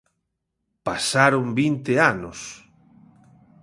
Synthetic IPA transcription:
pasaɾombint̪eanʊs

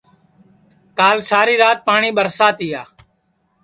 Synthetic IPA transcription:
kaːlsaːɾiːɾaːt̪̚paːɳiːɓəɾsaːt̪iːaː

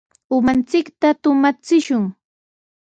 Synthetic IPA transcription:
ʊmant͡sɪkt̪at̪ʊmat͡sɪʃʊŋ

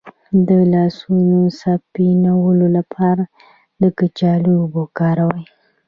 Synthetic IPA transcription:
d̪əlɑsunosapinawəlolapʰɑɾa | d̪əkət͡ʃɑlibokɑɾawəj

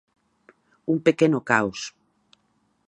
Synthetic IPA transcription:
uŋpekenʊkaws

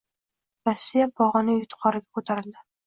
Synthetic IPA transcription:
ɾasʲːijabɒʁɑnɪjʊt̪qʰɒɾɪɡʲakʰot̪ʰaɾɪld̪ɪ

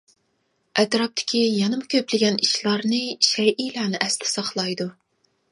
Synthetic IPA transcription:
ʔɛt̪ɾɑp̚t̪ʰɪ̥kʲijɑnɨmɨkʲʰøplɪɡʲɛniʃlˠɑɾnɨʃɛjʔijlˠæːnɨʔɛst̪ʰɪ̥sɑχlˠɑjd̪u

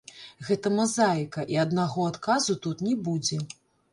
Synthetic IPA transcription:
ɣɛt̪ɐmazajkɐʔiɐd̪naɣɔat̪kazut̪ut̪nʲɛbud͡zʲɛ

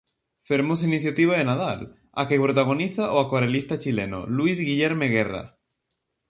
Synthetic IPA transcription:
feɾmos̬ainiθjat̪iβ̞aðenað̞al | akepɾot̪aɣ̞oniθaʔoakwaɾelist̪at͡ʃileno̰lwizɣiʎeɾmeɣ̞era̰

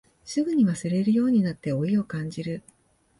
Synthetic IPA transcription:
sɨɡɯ̟ɲ̟iβasɨɾe̞ɾɯ̟jo̞ːɲ̟inat̪ːe̞o̞io̞kãɲ̟d͡ʑiɾɯ̟

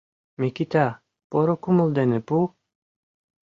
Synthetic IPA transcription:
mekit̪a | poɾokumŏld̪ɛnɘpu

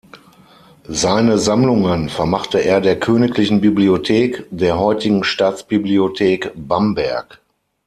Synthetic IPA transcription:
zaɪnəzamlʊŋənfɛɐmaχtəʔeːɐdeːɐkʰøːnɪklɪçn̩bibliotʰeːkd̥eːɐɦɔʏtɪɡŋ̩ʃtaːt͡sb̥ibliotʰeːkb̥ambɛɐk

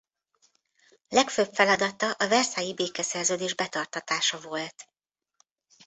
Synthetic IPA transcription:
lɛkføpfɛlɒd̪ɒt̪ɒʔɒvɛrsaːjibeːkɛsɛrzøːd̪eːʒbɛt̪ɒrt̪ɒt̪aːʃɒvo̞lt̪

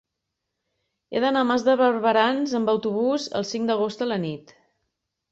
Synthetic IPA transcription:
ḛðənamazðəβərβəɾanzəmbəwt̪uβuzə̰lˠsiŋd̪əɣ̞ost̪ələnit̪

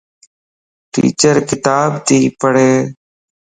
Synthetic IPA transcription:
ʈḭːt͡ʃəɾkɪt̪aːbt̪ʰiːpəɽ̤eː

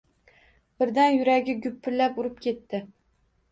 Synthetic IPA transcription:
b̥ɪɾd̪anjʊɾaɡʲɪɡʲʊpʰːɪlːapʊɾɪp̚kʲʰe̞t̪ːɪ

